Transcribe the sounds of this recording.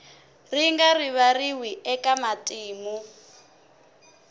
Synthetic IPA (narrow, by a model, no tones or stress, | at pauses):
riŋɡariβariwiɛkamatʼiːmu